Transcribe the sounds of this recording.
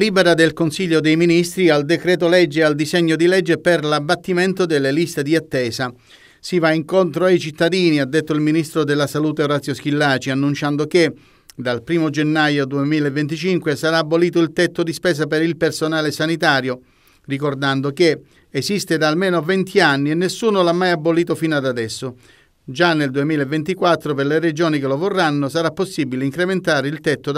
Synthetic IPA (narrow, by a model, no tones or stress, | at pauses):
liːbɛɾad̪elkonsiʎːod̪ejminist̪ɾiald̪ekɾɛːt̪olɛd͡ʒːeald̪izɛɲːod̪ilɛd͡ʒːeperlabːat̪ːiment̪od̪elːelist̪ed̪iat̪ːɛːza | sivaiŋkont̪ɾoajt͡ʃit̪ːad̪iːniad̪ːet̪ːoilminist̪ɾod̪ɪlːasaluːt̪eoɾat̪sːjosk̟ilːaːt͡ʃianːunt͡ʃand̪ok̟e | d̪alpɾiːmod͡ʒenːajod̪uemiːlaevːent̪̬it͡ʃiŋkwesaɾaːbːoliːt̪̬oilt̪ɛt̪ːod̪ispɛːs̬apeɾilpersonaːlesanit̪aːɾjo | rikord̪and̪oke | esist̪ed̪aːlmeːnovɛnt̪ʰianːienːesːuːnolamːajabːoliːt̪̬ofinad̪ad̪ɛsːo | d͡ʒanːeld̪uemiːlaevːent̪ikwat̪ːɾoperlered͡ʒoːnikelovorːanːosaɾapːosːibileiŋkɾement̪aːɾeilt̪ɛt̪ːo